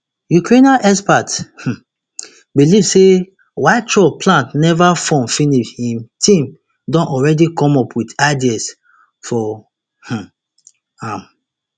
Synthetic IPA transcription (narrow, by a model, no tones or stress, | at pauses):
jukɹẽnãnʔɛspath̩ | bilivse | waɪtʰɹɔpʰlãntnɛvafɔ̃mfiniʃhĩmtʰĩm | dɔ̃nɔɹɛdikɔ̃mɔpʰwitaɪdiɛs | fɔ | h̩ | ãm